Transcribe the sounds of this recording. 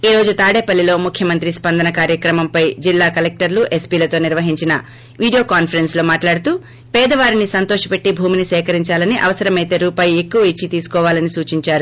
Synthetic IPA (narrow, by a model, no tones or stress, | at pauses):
iːɾo̞ːd͡ʒut̪aːɽeːpɐlːilo̞ːmukʰjɐmɐnt̪ɾispɐnd̪ɐnɐkaːɾjɐkɾɐmɐmpɐjd͡ʒilːaːkɐlek̚ʈɐɾluʔe̞spiːlɐt̪o̞ːniɾʋɐɦiɲt͡ʃinɐ | ʋiːɽijo̞ːkaːnpʰɐɾe̞nslo̞ːmaːʈlaːɽut̪uː | pɛːd̪ɐʋaːɾinisɐnt̪ɔːʃɐ̥pe̞ʈːibʱuːminisɛːkɐɾiɲt͡ʃaːlɐniʔɐ̰ʋɐsɐɾɐmɐjt̪e̞ːɾuːpaːjue̞kːuʋɐit͡ʃːit̪iːsu̥kɔːʋaːlɐnisuːt͡ʃiɲt͡ʃaːɾu